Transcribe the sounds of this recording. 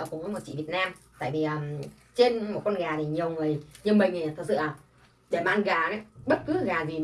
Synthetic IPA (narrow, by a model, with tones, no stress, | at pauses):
kṵ˧˩mə˨˦jmo˨˩t͡ɕḭ˧˨vi˨˩ət̚naː˧mt̪a̰ː˧˨jvi˨˩ʔəː˨˩ | t͡ɕe˧nmo˨˩t̚kɔ˧nɣaː˨˩t̪ʰi˨˩ɲi˨˩əwŋɨ˨˩əjɲɨ˧nmï˨˩ŋ̟i˨˩t̪ʰk̚sɨ̰˧˨la˨˩ | ɗe˧˩maː˨ʔnɣaː˨˩nə˨˦˥ɓə˦˥t̚kɨ˨˦ɣaː˨˩zi˨˩